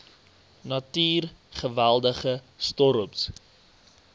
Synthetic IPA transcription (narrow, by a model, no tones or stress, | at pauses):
nɐtyːrχəvælˠdəχə | stɔɾups